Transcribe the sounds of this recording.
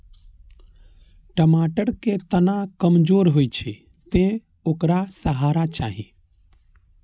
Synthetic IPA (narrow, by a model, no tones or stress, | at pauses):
ʈəmaːʈəɾket̪ənakəmd͡ʒoːɾɦojt͡ʃʰe | t̪ẽ | okɾasəɦaːɾat͡ʃa̰ːɦi